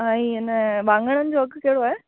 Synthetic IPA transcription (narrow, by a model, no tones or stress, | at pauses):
ãːĩːɪnəbãːŋɡəɽ̃ənɪ̆d͡ʑoɐɡkeɦɽoaːɦeː